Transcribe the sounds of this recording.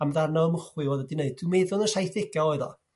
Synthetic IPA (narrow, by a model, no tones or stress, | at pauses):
amðarnɔəmʊχwɨvɔːðədɪneɨd̚d̥wɪmeːðʊnəsajθɪɡaɔɨðɔ̰